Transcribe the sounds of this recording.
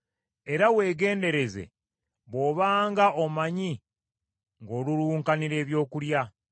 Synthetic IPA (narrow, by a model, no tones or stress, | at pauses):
e̞ɾawe̞ːɡe̞ːnde̞ɾe̞ze̞̰ | βo̞ːβaːŋɡaʔomaɲi | ŋɡo̞ːluɾuːŋkaniɾe̞ːβjo̞ːkulja